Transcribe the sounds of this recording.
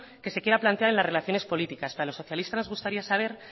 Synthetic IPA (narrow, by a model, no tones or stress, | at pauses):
ke̞se̞kje̞ɾaplant̪eaɾe̞nlasre̞laθjo̞nespo̞lit̪ikaspeɾalo̞so̞θjalist̪anoɣust̪aɾiasaβ̞e̞ɾ